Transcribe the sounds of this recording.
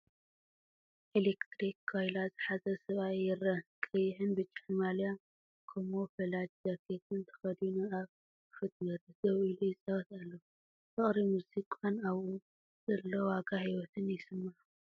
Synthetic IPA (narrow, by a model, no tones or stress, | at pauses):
ʔelekt̪ɾikʰːojlazɨħazɐsɨβaɪɾɐkʼɨjħɨnbɨt͡ʃʼːaħnmalja | kʰɐmofɐlad͡ʒz̥ɐɾkʰet̪ɨnt̪ʰɐ̥xɐd̪junɨaβ | fɨt̪mɨɾzɐwilujɪsʼɐwɐt̪alːo | t̪ʰɐχʼɾimuzikʼanaβu | z̥ɐlːowaɡahiwɔt̪ʰɨnjɪsɨmːaʕ